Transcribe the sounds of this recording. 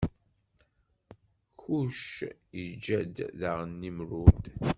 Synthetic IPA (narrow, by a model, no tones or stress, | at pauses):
kuʃəd͡ʒːæd̪ðaʁənːimɾud̪